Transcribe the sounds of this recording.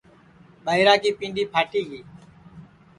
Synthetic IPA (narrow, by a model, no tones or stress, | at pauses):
ɓaːiɾaːkiːpĩːnɖiːpʰaːʈiːɡiː